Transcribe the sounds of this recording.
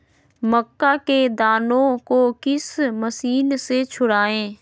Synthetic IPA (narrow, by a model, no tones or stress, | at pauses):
məkːaked̪aːnõkokɪsməsiːnset͡ʃʰʊɽaːẽː